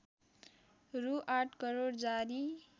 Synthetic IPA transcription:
ruʔaʈʰkʌɾoɽd͡zaɾi

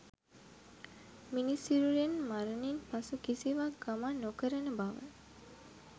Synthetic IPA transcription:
minisiɾuɾenmaɾəninpasukisiʋaɡamanːokəɾənəbaʋə̰n

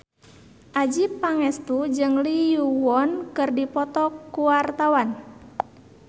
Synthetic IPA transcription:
ʔad͡ʒipaŋɛst̪ud͡ʒɨŋlijuwɔnkɨrdipɔt̪ɔkuwart̪awan

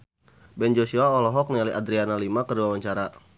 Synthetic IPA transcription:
bɛnd͡ʒosuaɔlɔɦɔk̚nialiadɾianalimakərduwawaɲt͡ʃaɾa

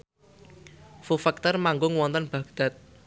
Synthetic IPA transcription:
fufɛk̚t̪ɔrmaŋɡʊŋwɔnt̪ɔnb̥a̤ɡ̥d̪̥a̤t̪̚

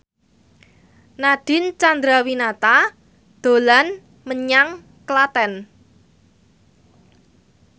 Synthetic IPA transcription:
naɖ̥ɪ̤nt͡ʃand̪ɾawinat̪a | d̪̥o̤lan | məɲaŋ | klat̪ɛn

